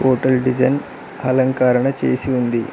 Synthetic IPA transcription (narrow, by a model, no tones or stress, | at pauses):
oːʈɐlɖid͡ʒɐn | hɐlɐŋkaːɾɐɳɐt͡ʃeːsiund̪i